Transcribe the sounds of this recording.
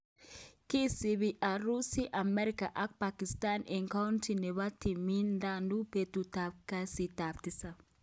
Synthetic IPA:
ki˦si˨βi˨ʔa˨ɾu˦si˦ʔa˨mɛ˦ɾika˨ʔa˦k̚paki˨sta˦nɛ˨ŋka˦wntʰi˨nɛ˨βa˦ti˨mi˦nda˦ndu˦pe˨tutaka˦si˨ta˨pti˦sa˨

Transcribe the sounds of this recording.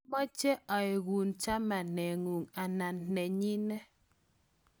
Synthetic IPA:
mɔ˦t͡ʃe˦ʔa˨e˨ɣu˨nt͡ʃa˦ma˨nɛ˨ŋu˨ŋa˨na˨nːɛ˨ɲi˦nɛ˦

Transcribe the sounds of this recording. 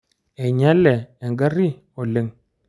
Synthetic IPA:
ɛ˨ɲa˦lɛ˨ɛ˨ŋɡa˦ɾi˦ | o˨le˦ŋ

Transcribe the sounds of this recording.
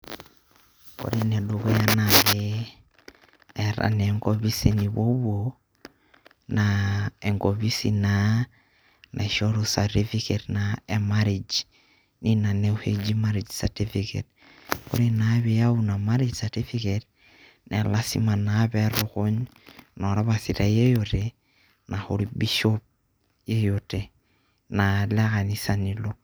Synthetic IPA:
ko̰˨ɾi˦nɛ˨ɗoko˦ja˦naβe | ɾa̰˨nɛŋkoβi˦sini˨βo˦βo | naɛ˨ŋɡo˨βi˦sina | nʔa̰˨ʃo˦ɾosati˦fiketnaemaɾid͡ʒ | ni˦na˨ne˦uhe˦d͡ʒi˦maɾid͡ʒsati˦fikḛ˨t̚ | ko̰˦ɾinaβe˨ja˦una˨maɾi˦d͡ʒsati˦fiket | nḛ˨la˦sima˨na˦beɾoko˦ɲno˨ɾa˦βasi˨ta˨je˦jote | na˨hoɾibi˦ʃop̚ | je˦jote | na˨leka˨nisa˨nilo˦

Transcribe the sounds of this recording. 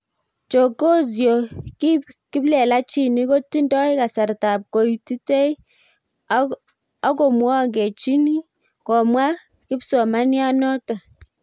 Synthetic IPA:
t͡ʃo˨ko˦z̬jo˨ki˦ki˦blɛ˨la˦t͡ʃi˨ni˦ko˦tːi˦ndɔ˦ɪ˦ka˨sa˨ɾta˨p̚ko˨i˨ti˦te˦j | a˦ko˨mwɔ˦˨ɡe˨t͡ʃi˦ni˦ | kɔ˨mwa˦ | kɪ˦psɔ˨ma˦nja˦nɔ˦tɔ˨

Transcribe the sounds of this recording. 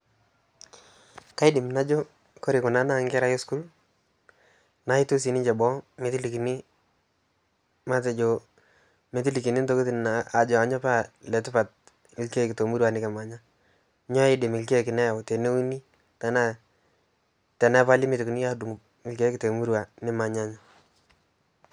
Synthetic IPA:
ka˦ɪ˦dɪ˨mna˦d͡ʒo˦ | ko˦ɾɪ˨kʊ˨na˦na˦ŋɡɛ˦ɾa˦jɪ˦sku˦l | na˨˦ɪ˦tu˦s̬i˨nɪ˦ɲd͡ʒɛ˨bɔ˦me˨ti˦li˨ki˨ni˦ | ma˦t̬ɛ˨d͡ʒo˨ | me˨ti˦li˨ki˨ni˦nto˦ko˦ti˨n˨aa˨d͡ʒɔ˨a˨ɲɔ˦pa˦lɛ˨tʊ˦pa˨t̚ | mɪ˨lke˦kɪ˨to˨mu˦ɾwa˨nɪ˦kɛ˨ma˨ɲa˦ | ɲɔ˦ɪ˦dɪ˨mɪ˨lke˦kɪ˨nɛ˦ja˨wte˨ne˦u˦ni˦ | ta˨˦na˦˨ | tɛ˨nɛ˦pa˦lɪ˦mɪ˦tku˨ni˦a˦du˨ŋ˨ | mɪ˨lke˦kɪ˨te˨mu˦ɾwa˨nɪ˦ma˨ɲa˦ɲɔ˨

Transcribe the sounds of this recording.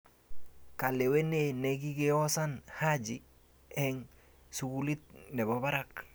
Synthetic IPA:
ka˨le˨we˦nene˨ɡi˦ɡe˦o˦sa˦nha˦d͡ʒi | ɛ˦ŋ | suɡu˦li˦t̪̚ne˨ba˨ba˦ɾa˦k

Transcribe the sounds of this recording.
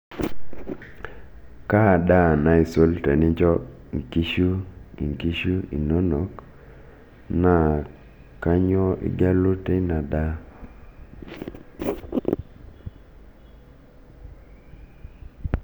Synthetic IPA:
ka˦˨da˦˨na˨i˨so˦lte˨nɪ˦d͡ʒɔ˦˨ | ŋki˦ʃu˦ḭ˨ŋki˦ʃu˦ḭ˨no˦no˨˦k | na˦ | ka˦ɲɔ˦ʔɪ̰˦ɡa˦lʊ˦te˦na˨da˦

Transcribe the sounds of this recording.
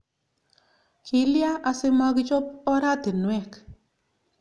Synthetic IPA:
kʰɪ˨lja˦ʔa˨sɪ˦ma˦ɡɪ˦t͡ʃɔ˦pɔ˦ɾa˦t̪ɪ˨nwɛ˦˨k

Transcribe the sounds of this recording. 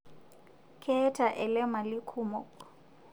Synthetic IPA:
kʰɛ˦tʰa˨ʔɛ˨lɛ˦ma˨lɪ˦kʰuː˨mɔ˨

